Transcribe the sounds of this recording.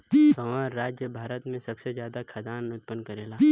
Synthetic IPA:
ɐmaːɾːaːd͡ʒjəbʱaːɾət̪mẽsɐbsezjaːd̪akʰad̪aːnʊt̪̚pənkɐɾeːlaː

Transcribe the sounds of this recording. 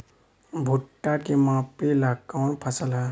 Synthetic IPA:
bʱuʈːakemãːpilakawnpʰəsəlɦɛ

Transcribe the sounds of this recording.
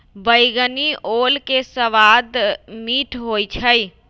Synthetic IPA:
bəjɡəniʔolkesəʋad̪miʈʰɦojt͡ʃʰəj

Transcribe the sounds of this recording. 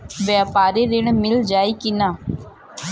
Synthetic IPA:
ʋjaːpaːɾeːɾɪɳmɪld͡ʒaːiːkɪnaː

